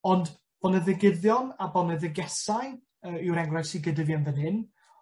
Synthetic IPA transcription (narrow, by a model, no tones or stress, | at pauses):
ɔnd | b̥ɔnəðəɡɪðjɔnabɔnəðəɡɛsaj | əːɪwɾɛŋɡrɛsiɡədəvjanvənɨn